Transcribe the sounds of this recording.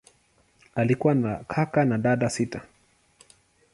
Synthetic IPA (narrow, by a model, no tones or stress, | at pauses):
alikuwanakʰakanaɗaɗasita